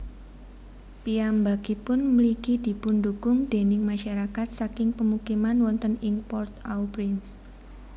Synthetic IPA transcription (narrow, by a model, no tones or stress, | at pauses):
piambakipʊnmlikid̪̥i̤pʊndukʊmd̪̥e̤nɪŋmaʃaɾakat̪̚sakɪŋpəmukimanwɔnt̪əniŋpɔrt̪awpɾɪns